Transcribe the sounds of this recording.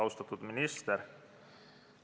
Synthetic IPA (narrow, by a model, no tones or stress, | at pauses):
ɑwst̪ɑt̪ːud̪minist̪eɾ